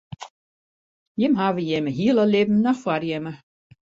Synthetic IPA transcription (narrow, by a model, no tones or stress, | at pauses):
jɪmɦaːʋəjɪməɦiəlˠəlɪbm̩nɔxfwarjɪmə